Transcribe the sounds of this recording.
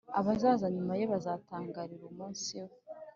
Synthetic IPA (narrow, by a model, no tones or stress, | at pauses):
aβazaːzaɲumaje̞βazaːtaːŋɡaɾiɾumuːnsiwo